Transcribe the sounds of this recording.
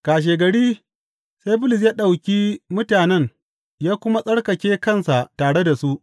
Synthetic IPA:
kaː˨ʃ̬eː˨ɡɐ˨ɽiː˦ | sa˦jbʊ˦lɪ˨s̬jaː˦ɗa˨wkʲiː˦mʊ˦taː˨nɛ˦ŋ | jaː˦kʷʊ˦ma˦sʼɐ˦ɽkɐ˨kʲeː˦kɐ˦˨nsa˨ʔtaː˨ɽe˦da˨su˦ʔ

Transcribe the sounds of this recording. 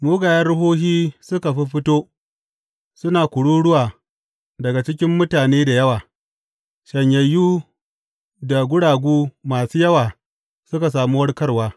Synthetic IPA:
muː˦ɡaː˨jɐ˦rɽʊ˦ɦoː˦ɦiː˦sʊ˦ka˨ɸi˦ɸɪ˦toː˦ | sʊ˦naː˨kʷʊ˨ɽuː˦ɽʊ˦waː˨ | dɐ˨ɡa˨t͡ʃɪ˦kʲɪ˦mːʊ˦taː˨neː˦da˨jɐ˦waː˨ | ʃɐ˨ɲjɐ˨jːuː˦ | da˨ɡʷʊ˦ɽaː˨ɡʷuː˦maː˨suː˦jɐ˦waː˨ | sʊ˦ka˨s̬aː˨mu˦wɐ˦ɽkɐ˦rwaː˦

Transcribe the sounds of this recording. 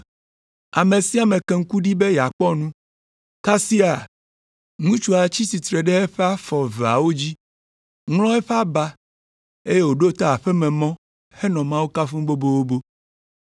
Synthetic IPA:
a˨mẽ˨si˦a˨mẽ˨kɛ˨ŋ̩˦ku˦ɖi˦be˦ja˨k͡pɔ˦nũ˦ | ka˦si˦a˨ | nũ˦t͡ʃu˦a˨t͡ɕi˦si˨t̪ɾe˨ɖe˦ɛ˦ɸɛ˦a˦fɔ˨ve˨a̰˨wo˦d͡ʑi˦ | ŋl̃ɔ̃˦ɛ˦ɸɛ˦a˦ba˦ | e˦je˦wo˨ɖo˦t̪a˦a˨ɸɛ˦mɛ̃˨mɔ̃˦ | he˦nɔ̃˨mã˦wo˦ka˦fũ˦bo˦bo˦wo˦bo˦

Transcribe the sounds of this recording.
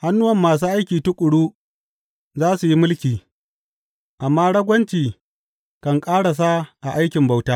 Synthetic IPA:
ha˦nːʊ˦wɐ˨mːaː˨s̬uː˦ʔa˦jkʲiː˨tʊ˦kʷʼʊ˨ɽuː˦ | zaː˦su˨ji˦mʊ˦lkʲiː˨ | ʔa˨mːaː˦ɽɐ˦ɡʷɐ˦nt͡ʃiː˨ | kɐ˨ŋkʼaː˦ɽa˨s̬a˦ʔa˨ʔa˦jkʲɪ˨mba˨wtaː˦

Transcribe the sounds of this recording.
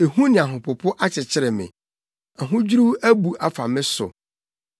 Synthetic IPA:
e˨hũ˦nɪ̃˨a˨ɦʊ̃˨pʰʊ˨pʰʊ˦ʔa˦t͡ɕʰɪ˨t͡ɕʰɪ˦ɾɪ˨mɪ̰̃˨ | a˨ɦʊ̃˦d͡ʑu˦ɾu˦æ˦bu˨ʔa˨fa˨mɪ̃˦sʊ̰˨

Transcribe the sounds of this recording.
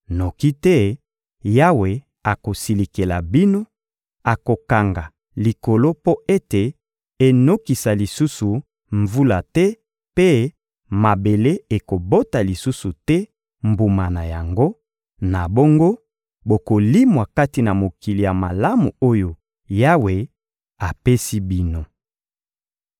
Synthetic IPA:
no˨ki˦tɛ˦ | ja˦we˨ | a˨ko˨si˨li˨ke˨la˨bi˦no˦ | a˨ko˨ka˨ŋɡa˨ | li˨ko˨lo˦po˦e˦te˨ | e˨no˦ki˨sa˨li˨su˦su˨ | ɱvu˦la˨tɛ˦ | pe˦ | ma˨be˨le˦e˨ko˨bo˦ta˨li˨su˦su˨tɛ˦ | mbu˨ma˨na˨ja˨ŋɡo˦ | na˨bo˦ŋɡo˦ | bo˨ko˨li˦mwa˨ka˦ti˨na˨mo˨ki˨li˨ja˨ma˨la˦mu˨o˦jo˨ | ja˦we˨ | a˨pe˦si˦bi˦no˨

